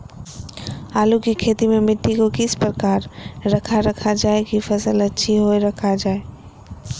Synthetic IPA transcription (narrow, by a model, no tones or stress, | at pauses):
aːlukikʰeːt̪imẽmɪʈʰːikokɪspɾəkaːɾɾɐkʰaɾɐkʰad͡ʒaːekifɐsəlɐtːʃʰiɦoeɾɐkʰad͡ʒaːe